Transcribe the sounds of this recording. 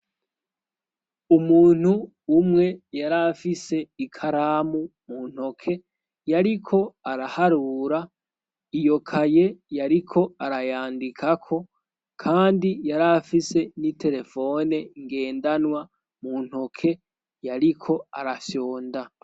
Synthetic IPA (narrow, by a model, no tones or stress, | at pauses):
umuːn̥huː | mŋe̞jaɾafise̞ikʰaɾaːmumun̥ho̞kʰe̞ | jaɾikʰo̞aɾahaɾuːɾa | ijo̞kʰaje̞jaɾikʰo̞aɾajaːndikʰakʰo̞ | kʰaːndijaɾafise̞nite̞ɾe̞fo̞neŋɡe̞ːndanwa | mun̥ho̞kʰe̞ | jaɾikʰo̞aɾaso̞ːnda